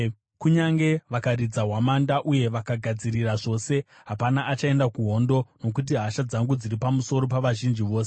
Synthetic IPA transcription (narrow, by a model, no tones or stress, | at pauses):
kuɲaŋɡe̞ʋakarid͡zaɦwamandaʔuje̞ʋakaɡʱad͡ziriraʐo̞se̞ | ɦapanaʔat͡ʃae̞ndakuɦo̞ndo̞no̞k̬ut̬iɦaʃad͡zaŋɡud͡ziripamuso̞ɾo̞paʋaʒind͡ʒiʋo̞ːse̥